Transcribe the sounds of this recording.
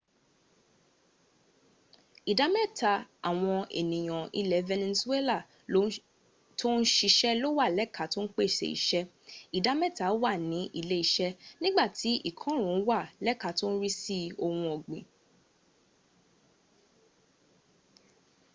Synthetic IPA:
i˨da˨˦mɛ˦˨ta˨a˨w̃ɔ̃˧ḛ˨nĩ˨j̃ɔ̃˨ḭ˧lɛ˨˦vɛ˧nɛ˧su˦e˦la˦˨˦ | tʰo˦n̩˦ʃi˧ʃɛ˦lo˦wa˦˨lɛ˦ka˨˦to˦n̩˦k͡pe˦˨ʃḛ˨ḭ˨ʃɛ˦ | i˨da˨˦mɛ˦˨ta˨˦wa˦˨nĩ˨˦ʔḭ˦˨le˦i˨ʃɛ˦nĩ˦ɡ͡ba˦˨ti˨˦ʔi˦˨kʰɔ̃˨˦ɾ̃ũ˨˦n̩˦wa˦˨lɛ˦ka˨˦to˦n̩˦ɾi˦si˦o˧hũ˧o˨ɡ͡bẽ˨

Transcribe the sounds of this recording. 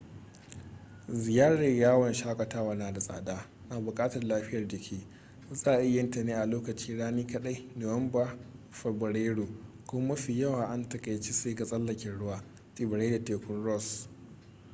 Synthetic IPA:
zɪ˨jaː˦ɽa˨jaː˦wɔ˨nʃaː˦kʷʼɐ˨taː˦waː˨naː˨da˨sʼa̰ː˨daː˦ | naː˨bʊ˨kʼaː˦tɐ˨rlaː˦ɸɪ˦jɐ˨rd͡ʒɪ˨kʲʰeː˦ | zaː˦˨ʔɪ˦jɐ˦ntɐ˨neː˦ʔa˨loː˦kɐ˨t͡ʃiː˦ɽaː˦niː˦kɐ˦ɗa˦jno˨wɐ˦mba˦ɸɐ˨bɐ˨ɽeː˦ɽo˨kʷʊ˦mɐ˦ɸi˨jɐ˦waː˨ʔa˦ntɐ˨kʼa˨jt͡ʃi˦seː˦ɡa˨sʼɐ˦lːɐ˨kʲɛ˨ɽʊ˦waː˨ | tʼɪ˨bɪ˨ɽa˦da˨teː˨kʷʊ˦nɽɔ˦˨s

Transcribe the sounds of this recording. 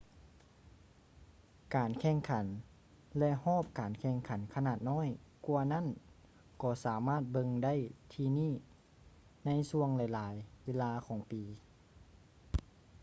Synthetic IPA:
kaː˨nkʰɛː˧˩ŋkʰa˩˦n | lɛ˧ʔhɔː˥˨p̚kaː˨˩nkʰɛː˧˩ŋkʰa˨˦nkʰa˧naː˧˩t̪̚nɔː˥˨jku˧ɐna˥˨n | kɔː˧˩saː˩˦maː˥˩t̪̚bɤ˧ŋda˥˨jt̪ʰiː˧niː˥˨ | na˧˥jsu˧əŋlɛ˨˧˦jlaː˨˦jweː˧˥˨laː˧kʰɔː˨˦ŋpiː˨˩

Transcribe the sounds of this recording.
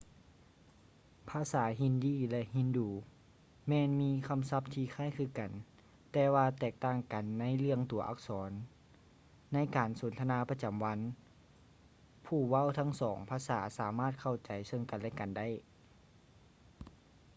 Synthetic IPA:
pʰaː˧˥saː˩˦ɦi˧˨ndiː˧˩lɛ˧ʔhi˧˥˨nduː˨˩ | mɛː˧˨nmiː˧˥kʰa˧˥˨msa˧p̚t̪ʰiː˧xʰaː˧˥˨jkʰɯː˧˩ka˨˩n | t̪ɛː˧waː˧t̪ɛː˧˩k̚t̪aː˧˩˨ŋka˨˩nːa˧˥˨jlɯ˧əŋt̪u˨˩˦ɐʔa̰˧˥k̚sɔː˨˦n | a˧˥jkaː˨˩nso˨˦nt̪ʰa˧naː˧˥pa˧˥t͡ɕa˨˩mʋa˧˥n | pʰuː˧˩wa˧˥˨wt̪ʰa˧˥˨ŋsɔː˩˦ŋpʰaː˧˥saː˩˦saː˨˦maː˧˥˩t̪̚kʰa˧˩wt͡ɕa˨jsɤ˧˥˨ŋka˨nlɛ˧˥ka˨nda˥˨j

